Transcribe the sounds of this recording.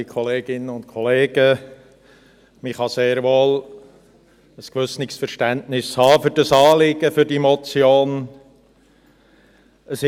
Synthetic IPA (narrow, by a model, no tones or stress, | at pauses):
ikʰɔleːɡɪnəʊnt̚kʰɔleːɡ̥ə | mɪχɑseːɾʋoːl | əskʋʏsnɪksfəɾʃtæntnɪshɑːfʏɾd̥ɑsɑːlɪɡ̥əfʏɾdimɔt͡sjoːn | əsɪ